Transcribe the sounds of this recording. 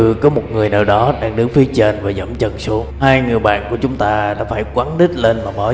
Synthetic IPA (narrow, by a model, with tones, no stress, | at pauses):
ɨ˨˩kɔ˨˦mo˨˩t̚ŋɨ˨˩əjnaː˨˩wɗɔ˨˦ɗaː˧ŋɗɨ˨˦ŋfi˨˦ət͡ɕe˧nvaː˨˩zə̰˧˩mt͡ɕə˧˩nsu˨˦əŋhaː˧jŋɨ˨˩əjɓa̰ː˧˨nku˧˩ət͡ɕʊ˨˦ŋ͡mt̪aː˧ɗa̰ː˧˥faː˧˩jkwaː˨˦nɗi˦˥t̟̚le˧nmaː˨˩ɓɔ̰˧˩